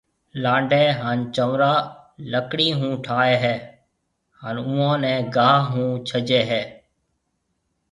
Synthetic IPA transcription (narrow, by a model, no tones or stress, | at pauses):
lãːɳɖeːɦaːnt͡ʃəʋɾaːləkɽiːɦũːʈʰaːeːɦɛː | haːnũːõːnɛ̃ːɡaːɦɦũːt͡ʃʰəd͡ʒeːɦɛː